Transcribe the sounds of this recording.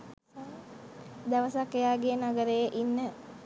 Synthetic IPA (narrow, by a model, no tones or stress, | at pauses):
a | d̪aʋəsakːejaːɡenaɡəɾejeʔinːə